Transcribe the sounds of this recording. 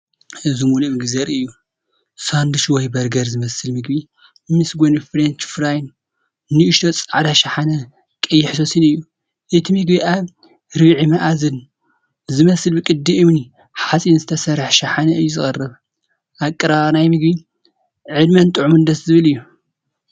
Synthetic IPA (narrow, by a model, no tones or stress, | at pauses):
ɨzimulumɨɡzɐɾɨjːu | sand̪uʃwɔjbɐɾɡɐɾzɨmɐsɨlmɨɡbi | mɨsɡʷonifɾent͡ʃfɾajn | nɨʔːʃot͡sʼaʕd̪aʃaħanɐ | kʼɐjːɪħsosɨnɨjːu | ʔɨt̪ʰimɨɡbiʔaβ | ɾɨβʕimɐʔazɨn | zɨmɐsɨlbɨkʼɨd̪iɨmni | ħasʼinzɨt̪ʰɐsɐɾaħʃaħanɐɨjːuzɨχʼɐrːɨβ | ʔakʼːɨɾanajmɨɡbi | ʕɨd̪mɐnt̪ʼɨʕumɨnd̪ɐszɨβɨlɨjːu